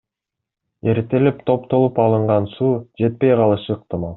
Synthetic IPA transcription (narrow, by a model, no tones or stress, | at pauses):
e̞ɾt̪e̞lept̪ʰo̞pt̪o̞lˠupɑlˠɯɴʁɑnsuːd͡ʒe̞t̪̚pe̞jqʰɑlˠɯʃɯːq̚t̪ɨmɑlˠ